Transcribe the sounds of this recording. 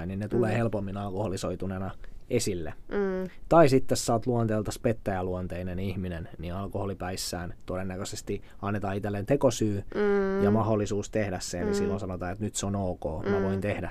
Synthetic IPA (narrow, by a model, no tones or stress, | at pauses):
ininnet̪uleːhelpomːinɑlkoholisoit̪unenɑesilːḛt̪ɑisit̪ːesːɑt̪luont̪eːlt̪ɑspet̪ːæjæluont̪einenihminenniɑlkoholipæisːæ̰ːnt̪odenːækøsest̪i | ɑnːet̪ɑːit̪elːent̪ekosyːjɑmɑholːˑisuːst̪ehdæsseninsilːonsɑnot̪ɑːet̪nyt̪seonoːko̰ːmæʋoint̪ehdæ